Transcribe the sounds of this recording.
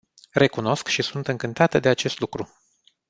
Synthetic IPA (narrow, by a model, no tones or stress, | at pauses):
re̞kuno̞skʃisunt̪ɨŋkɨnt̪at̪əd̪e̞at͡ʃe̞st̪lukɾu